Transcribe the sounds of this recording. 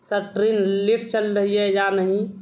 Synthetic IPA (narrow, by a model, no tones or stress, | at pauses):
səʈɾinliʈʰt͡ʃəlɾəɦijejanəɦĩ